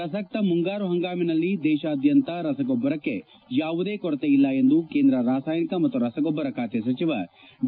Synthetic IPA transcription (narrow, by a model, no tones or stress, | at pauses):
ɐsɐk̚t̪ɐmuŋɡaːɾuɦɐŋɡaːminɐlːid̪ɛːʃaːd̪ʱjɐnt̪ɐɾɐsɐɡɔbːɐɾɐkːe | jaːʋud̪eːkɔɾt̪eilːɐend̪ukeːnd̪ɾɐɾaːsaːjnikɐmɐt̪ːuɾɐsɐɡɔbːɐɾɐkaːt̪jɐsɐt͡ʃiʋɐ